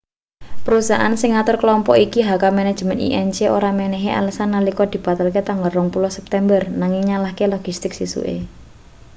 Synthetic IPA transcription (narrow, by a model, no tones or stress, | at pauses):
pəɾusaʔa̰nsɪŋat̪ʊrkəlɔmpɔʔikiɦakamɛnɛd̥ʒ̥mɛnḭʔɛnt͡ʃeoɾamɛnɛɦeʔa̰ləsanːalikɔd̪̥i̤b̥a̤t̪alket̪aŋɡarlɔŋpulɔhsɛp̚t̪ɛmbərnaŋɪŋɲalahkelɔɡ̥ist̪ɪk̚sisṵʔḛ